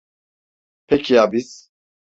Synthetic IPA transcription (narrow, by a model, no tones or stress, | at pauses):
pʰɛkʰiabis